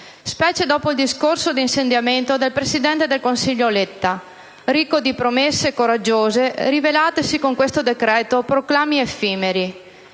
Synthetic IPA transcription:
spɛːt͡ʃed̪ɔːpoild̪iskorsod̪insend̪jament̪od̪elpɾesid̪ɛnt̪ed̪elkonsiʎːolet̪ːa | ɾikːod̪ipɾomesːekoɾad͡ʒːoːzeɾivelaːt̪esikoŋkwest̪od̪ekɾɛːt̪opɾoklaːmiefiːmeɾi

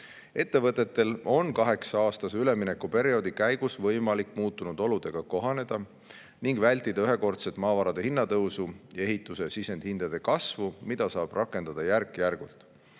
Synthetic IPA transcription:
e̞t̪ːe̞vɤt̪ːˑe̞t̪ːe̞lo̞nkɑɦe̞ksɑɑːst̪ɑseyle̞mine̞kːupe̞ɾio̞d̪ikæjɡ̥usvɤjmɑlikːˑmuːt̪ːˑunud̪̥o̞lud̪̥e̞ɡ̥ɑko̞ɦɑne̞d̪̥ɑ | niŋɡvælʲt̪ːˑid̪̥ɑyɦe̞ko̞rt̪set̪mɑːvɑɾɑd̪̥e̞hinːɑt̪ɤwsuje̞ɦit̪ːˑuse̞sise̞nd̪̥hind̪̥ɑd̪̥e̞kɑsvumid̪̥ɑsɑːb̥rʔɑkːˑe̞nd̪̥ɑd̪̥ɑjærkːˑjærɡ̥ult̪ˑ

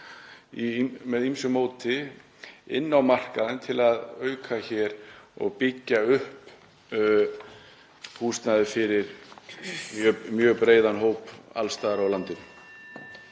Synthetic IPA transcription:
imɛðimsʏmoːwt̪ɪ | ɪ̰nːawmar̥kaðant̪ʰɪlaðœɥkʰaçɛɾɔ̰ɣpɪcːaʏhp | huːst̪naðɪfɪɾɪɾ̥ | mjœmjœːɣpɾeːjðanɦoːwpa̰lst̪aːðɾawlant̪ɪn

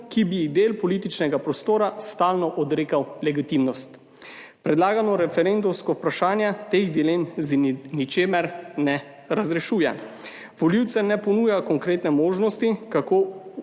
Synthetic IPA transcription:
kibid̪eːlpɔliːt̪it͡ʃnɛɡapɾɔst̪oːɾast̪aːlnɔʔɔd̪ɾeːkawlɛɡit̪imnɔst̪ | pɾɛd̪laːɡanɔɾɛfɛɾend̪umskɔpɾaʃaːnjat̪eɣd̪ileːmznit͡ʃeːmɛɾnɛ | ɾazɾɛʃuːjɛ̰ | ʋɔliwt̪sɛnɛpɔnuːjakɔŋkɾeːt̪nɛmoːʒnɔst̪ikakoː

